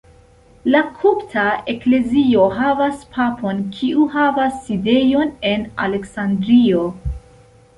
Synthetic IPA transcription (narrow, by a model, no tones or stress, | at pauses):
lakʰuptʰaekle̞zio̞ɦavaspʰapʰo̞nkʰiuɦavasːide̞jo̞ne̞nale̞ksandɾio̞